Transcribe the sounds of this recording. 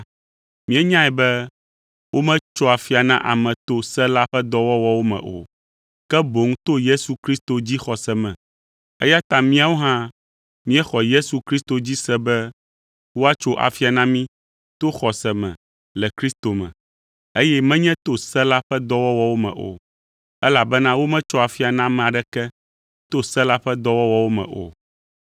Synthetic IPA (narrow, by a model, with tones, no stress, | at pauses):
mĩ˦ɛ˦ɲã˦ɛ˨bɛ˦ | wo˦mɛ̃˦t͡ʃɔ˦a˨fi˦a˨nã˦ʔa̰˨mɛ̃˨t̪o˦sɛ˦la˦ɸɛ˦d̪ɔ˦wɔ˦wɔ˦wo˦mɛ̰̃˨ʔo̰˨ | kɛ˦bo˨ŋ˦t̪o˦je˦su˨kɾi˦st̪o˨d͡ʑi˦xɔ˨sɛ˨mɛ̰̃˨ | ḛ˦ja˦t̪ã˦mĩ˦a˦wo˦ɦã˦ | mĩ˦ɛ˦xɔ˨je˦su˨kɾi˦st̪o˨d͡ʑi˦sɛ˦bɛ˦ | wo˦a˦t͡ʃo˦ʔa̰˨fi˦a˨nã˦mĩ˦ | t̪o˦xɔ˨sɛ˨mɛ̰̃˨ | lɛ˨kɾi˦st̪o˨mɛ̰̃˨ | e˦jɛ˦mɛ̃˦ɲɛ̃˦t̪o˦sɛ˦la˦ɸɛ˦d̪ɔ˦wɔ˦wɔ˦wo˦mɛ̰̃˨ʔo̰˨ | ɛ˦la˨bɛ˦nã˦wo˦mɛ̃˦t͡ʃɔ˦a˨fi˦a˨nã˦mɛ̃˨a˨ɖɛ˦kɛ˦ | t̪o˦sɛ˦la˦ɸɛ˦d̪ɔ˦wɔ˦wɔ˦wo˦mɛ̰̃˨ʔo̰˨